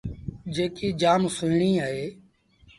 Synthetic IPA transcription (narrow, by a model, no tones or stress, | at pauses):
d͡ʒeːkiːd͡ʒaːmsʊɪɳiːaːɦeː